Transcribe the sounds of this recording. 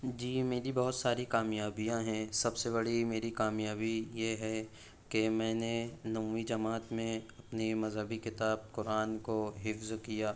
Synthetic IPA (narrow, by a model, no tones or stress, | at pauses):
d͡ʒiːmeːɾibɔɦʊt̪saːɾikaːmjaːbijãɦɛ̃sɐbsebɐɽ̤imeːɾikaːmjaːbijeɦɛ | kemɛ̃ːnenɐmũːid͡ʒɐmaːt̪mẽɐpnimɐzɦəbikɪt̪aːb̚kʊɾaːnkoɦɪfzkijaː